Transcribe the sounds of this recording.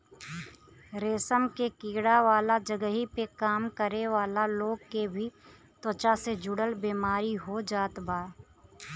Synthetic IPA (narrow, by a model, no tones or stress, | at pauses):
ɾeːsəmkekiːɽaʋaːlad͡ʒəɡəɦipekaːmkəɾeʋaːlaloːɡ̚kebʱi | t̪oːt͡ʃased͡ʒʊɽəlbeːmaːɾiɦod͡ʒaːt̪baː